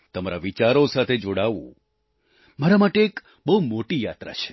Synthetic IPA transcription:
t̪əmaɾaʋit͡ʃaɾosat̪ʰed͡ʒoɽaʋṵ̃ | maɾamaʈeːk | bəɦumoʈijat̪ɾa̰t͡ʃʰe̥

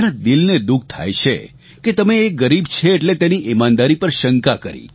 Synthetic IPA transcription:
nad̪ilned̪uk̚t̪ʰa̰jt͡ʃʰe | ket̪əmeːɡəɾibt͡ʃʰeːʈlet̪eniʔimãnd̪aɾipəɾʃəŋkakəɾḭ

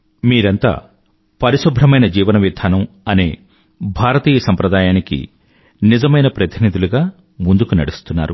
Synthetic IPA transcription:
miːɾɐnt̪a̰ː | pɐɾisubʱɾɐmɐjnɐd͡ʒiːʋɐnɐʋjid̪ʱaːnɐmɐne̞̰ː | bʱaːɾɐt̪iːjɐsɐmpɾɐd̪aːjaːnikḭ | nizɐmɐjnɐpɾɐt̪inid̪uluɡaː | mund̪ukunɐɽust̪unːa̰ːɾṵ

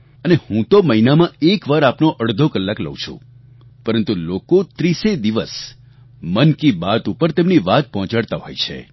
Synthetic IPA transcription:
ənehũt̪oməɦinamãekʋaɾapnoʔəɽd̪ʱokəlːaklə̰ũt͡ʃʰṵ̃ | pəɾənt̪ulokot̪ɾised̪iʋəs | mənkibat̪upəɾt̪emniʋat̪̚pɔɦɔ̃t͡ʃaɽt̪aɦojt͡ʃʰḛ

